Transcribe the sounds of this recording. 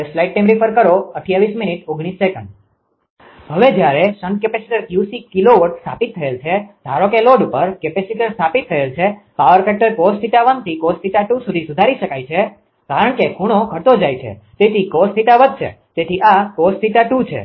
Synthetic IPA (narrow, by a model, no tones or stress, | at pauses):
slaiʈ̚ʈːajmɾifʰəɾkəɾoəʈʰijaʋisminiʈoɡɽ̃isːekəɳɖ | ɦəʋed͡ʒjaɾeʃənɖkepesi̥ʈəɾkjusikiloʋəʈst̪ʰa̰pit̪ʰːəelt͡ʃʰed̪ʱaɾokeloɖupəɾkepesiʈəɾst̪ʰapit̪ʰːəelt͡ʃʰepaʋəɾkɛʈəɾkospʰiʈaʋənt̪ʰikospiʈaʈusud̪ʱisud̪ʱaɾiʃəkajt͡ʃʰe | kaɾəɳ̃kekuɽ̃okʰət̪od͡ʒajt͡ʃʰḛ | t̪et̪ʰikospʰiʈaʋəd̪̚ʱt͡ʃʰḛ | t̪et̪ʰiʔakospʰiʈaʈut͡ʃʰḛ